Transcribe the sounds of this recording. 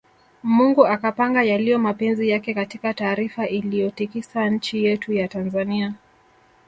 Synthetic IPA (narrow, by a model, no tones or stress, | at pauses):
muŋɡuakapaŋɡajalijɔmapɛnzijakɛkatikataːɾifaʔilijɔtikisaɲ̩t͡ʃijɛtujatanzania